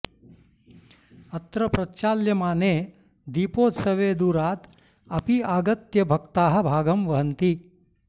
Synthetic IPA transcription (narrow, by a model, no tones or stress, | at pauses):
ɐt̪ɾɐpɾɐt͡ʃaːljɐmaːneː | d̪iːpoːt̪sɐʋeːd̪uːɾaːt̪ | ɐpiaːɡɐt̪jɐbʱɐkt̪aːɦɐ̆bʱaːɡɐmʋɐɦɐnt̪i